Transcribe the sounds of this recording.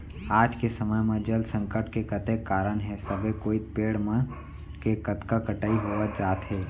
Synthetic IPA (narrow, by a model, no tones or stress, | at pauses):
aːd͡ʒkesəməjmẽd͡ʒəlsə̃ŋkəɾʈkekət̪ekːaːɾənɦɛsəbekoːipeːɽmə̃n | kekət̪kakəʈaːiɦoːʋət̪̚d͡ʒaːt̪ɦɛː